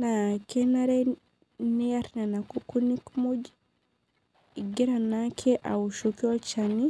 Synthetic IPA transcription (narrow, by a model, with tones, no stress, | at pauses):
nake˦na˦ɾɛ˦ | ni˦a˦ɾna˨na˨ku˦ku˦ni˦kmu˦d͡ʒi | i˨ɡi˦ɾa˨nakʰɛ˦ʔa̰˨u˨ʃo˨ki˦ɔ˦t͡ʃa˨ni˦